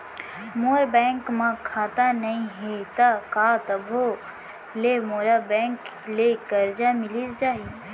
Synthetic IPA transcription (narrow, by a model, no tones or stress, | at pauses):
moːɾbɛ̃ːŋkmãkʰaːt̪anɐĩɦet̪akaːt̪ɐbʱo | lemoːɾabɛ̃ːŋk | leɡɐɾd͡ʒamɪlisd͡ʒaːɦi